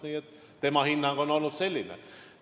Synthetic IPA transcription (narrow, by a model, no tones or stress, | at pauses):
niːet̪ː | e̞mɑhinːɑŋɡ̥ono̞lnud̪̥se̞lʲːinḛ